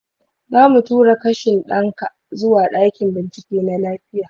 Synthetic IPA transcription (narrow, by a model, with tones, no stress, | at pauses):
zaː˦mu˨tuː˦ɽa˨kɐ˦ʃɪ˨nɗɐ˦ŋka˨ʔzʊ˦waː˨ɗaː˦kʲɪ˨mbɪ˨nt͡ʃɪ˨kʲeː˦na˦laː˦ɸɪ˦jaː˨